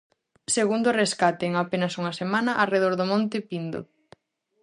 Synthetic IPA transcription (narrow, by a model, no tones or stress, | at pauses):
seɣund̪ʊreskat̪ɪːŋapenɐsuŋɐsemanɐʔareðoɾðomɔ̃nt̪ɪpind̪o̰